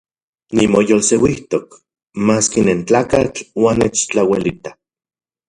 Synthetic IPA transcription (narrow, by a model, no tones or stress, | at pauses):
nimojolsewiht̪ok | maːskinent͡ɬaːkat͡ɬwanːet͡ʃt͡ɬawelit̪ḁ